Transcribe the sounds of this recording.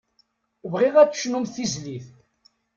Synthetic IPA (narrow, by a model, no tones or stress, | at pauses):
vʁɪʁæt͡sːʃnumθizliθ